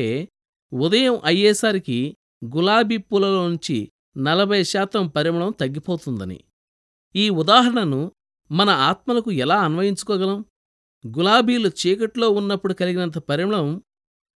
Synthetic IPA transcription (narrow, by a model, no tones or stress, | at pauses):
eː | ud̪ɐjɐmʔɐjːɛːsaːɾiki | ɡulaːbiːpuːlɐloːnuɲt͡ʃḭ | nɐlɐbʱɐjɐʃaːt̪ɐmpɐɾimɐɭɐmt̪ɐɡːipoːt̪und̪ɐnḭ | iːud̪aːɦɐɾɐɳɐnu | mɐnɐaːt̪mɐlɐkuɛlaːɐnʋɐjiɲt͡ʃu̥kɔːɡɐlɐm | ɡulaːbiːlut͡ʃiːkɐʈlo̞ːunːɐpːuɽukɐliɡinɐnt̪ɐpɐɾimɐɭɐm